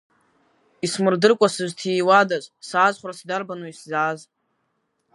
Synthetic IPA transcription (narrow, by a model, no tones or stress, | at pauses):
ismɨrdɨrkʷʼasɨʒʷtʰijwadazʷʼsaːzχʷrasdarbanuiszaːz